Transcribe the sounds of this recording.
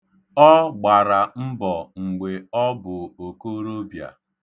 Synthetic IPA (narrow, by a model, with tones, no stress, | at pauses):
ɔ˦ɡ͡ba˨ɾa˨m̩˦bɔ˨ŋ̩˨ɡ͡be˨ɔ˦bʊ˨o˨ko˦ɾo˦bja̰˨